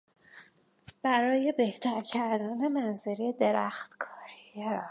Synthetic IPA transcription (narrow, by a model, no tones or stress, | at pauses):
b̥æɾɒːje̞beht̪ʰæɾcʰæɾd̪æne̞mænzeɾijed̪e̞ɾæxt̪kʰɒːɾijɛ